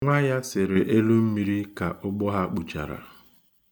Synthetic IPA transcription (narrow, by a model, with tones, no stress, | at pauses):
ŋʷa˦ja˦sɪ˨ɾɪ˨ʔe˦lu˦m̩˦mi˦ɾi˦ka˨ʔʊ˦ɡ͡bɔ˦ɦa˦k͡pu˨t͡ʃa̰˨ɾa̰˨